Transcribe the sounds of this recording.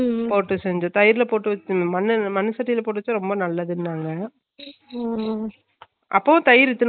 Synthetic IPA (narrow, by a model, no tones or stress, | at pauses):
poːʈːɯsɛɲd͡ʒõt̪ɐjɪɾɪlɐpoːʈːɯʋɐt͡ʃːɯmɐnɯmɐnɯsɐʈːiɪlɐpoːʈ̬ːɯʋɐt͡ʃːõɾɔmbɐnɐlːɐðɯnːaːŋɡɐ | ʔɐ̰pːõt̪ɐjɪɾɪt̪ːɯn